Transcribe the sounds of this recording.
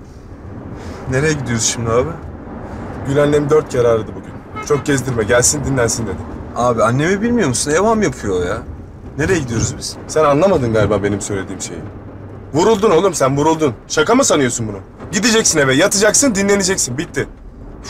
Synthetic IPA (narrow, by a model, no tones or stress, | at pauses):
ne̞ɾejɛɟid̪ijo̞ɾuzʃimd̪ʲiaːbi | ɟynænlːʲemid̪ø̞ɾt̪̚cʰaɾaːɾɯd̪ɯbuɟynt͡ʃʰo̞k̚ɟɛzd̪iɾmɛɟælʲsind̪inlʲænsind̪e̞d̪ɪaːbianːe̞mibilʲmijo̞ɾmusunevamjapʰujojaː | ne̞ɾejɛɟid̪ijo̞ɾuzbiz̥sænanlˠamad̪ɯnɡalʲibaːbe̞nimsøjlʲe̞d̪iːimʃe̞jḭ | vuɾulˠd̪uno̞lˠuɾmsænvuɾulˠd̪unʃakamɯsanɯjosunbunʊ | ɟid̪id͡ʒɛcsinevɛjat̪ʰɯd͡ʒaksɯnd̪inlʲe̞ned͡ʒɛcsinbit̪ːɪ